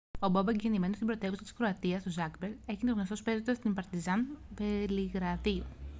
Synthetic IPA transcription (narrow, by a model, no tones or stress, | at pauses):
o̞bɐbɐeɲɟenime̞nost̪ibɾo̞t̪e̞vusɐ̥t̪i̥skɾo̞ɐt̪iɐst̪ozɐkbeɾe̞çint̪oɐso̞spezot̪ɐst̪impɐɾt̪izɐnveliɣɾɐðiu